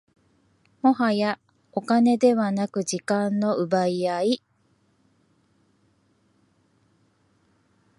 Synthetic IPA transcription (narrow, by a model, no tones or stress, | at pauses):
mo̞ɦaja | o̞kane̞d̪e̞βanakɯ̟d͡ʑikãnːo̞ʔɯ̟baiai